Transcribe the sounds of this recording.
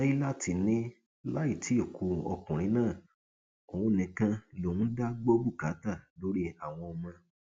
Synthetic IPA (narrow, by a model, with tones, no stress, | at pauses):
i˦la˦˨ti˧nĩ˦ | la˦i˦˨ti˨˦o˦˨kʰu˧ɔ̰˧kũ˨ɾ̃ĩ˨˦nãː˦˨ | o˨ũ˧˨nĩ˨kã˧lo˨ũ˦da˦ɡ͡bo˦bu˦˨ka˨˦ta˦˨lo˦ɾi˦a˦˨w̃ɔ̃˧ɔ˧mã˧